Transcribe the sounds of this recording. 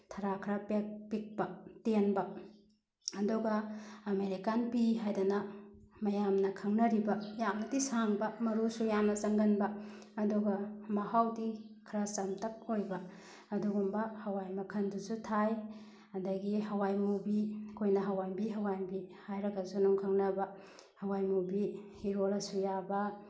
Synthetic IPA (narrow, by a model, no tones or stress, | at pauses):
tʰɐɾakʰɾapek̚pik̚pɐtenbɐ | ɐduɡɐːmeɾikanpiɦajdɐnɐmɐjamnɐkʰɐŋnɐɾibɐjaŋnɐdisaŋbɐmɐɾusujamnɐzɐŋɡɐnbɐɐduɡɐmɐhawdikʰɾat͡ʃamtɐk̚ojbɐ | ɐduɡumbɐhɐwajmɐkʰɐndusutʰaj | ɐdɐɡiɦɐwajmubikʰojnɐɦɐwajbiɦɐwajmbihajɾɐɡɐzunuŋkʰɐŋnɐbɐ | hɐwajmubihiɾolɐsujabɐ